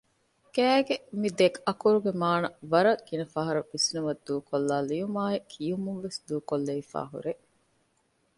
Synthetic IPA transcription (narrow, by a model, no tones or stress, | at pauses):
kæːɡemid̪ekɐkuɾuɡemaːnɐʋɐɾɐɡinɐfɐɦɐɾɐbisnumɐd̪ːuːkolːaːlijumaːekʰijumunʋesd̪uːkolːeifa̰ːɦṵɾe